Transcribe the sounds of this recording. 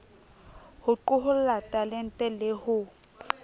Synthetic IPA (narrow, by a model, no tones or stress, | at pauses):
hʊǃʊɦʊllatʼalɛn̩tʼɛlehʊ